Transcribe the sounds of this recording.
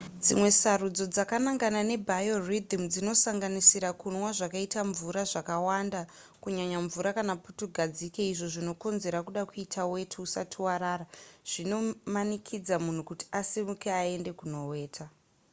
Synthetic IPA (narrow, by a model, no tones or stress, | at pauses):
d͡zimwe̞sarud͡zo̞d͡zakanaŋɡanane̞bʱajorid̪ʱimd͡zino̞saŋɡanisiɾakunwaʐakaitaɱvuɾaʐakawanda | kuɲaɲaɱvuɾakanaputuɡʱad͡zike̞iʐoʐino̞ko̞nze̞ɾakuɗakuitʰawe̞tʰuusa̰tʰiwaɾaːraʐ̥ino̞manikʰid͡zamun̤ukuti̥asimukeae̞nde̞kuno̞we̞ːtʰa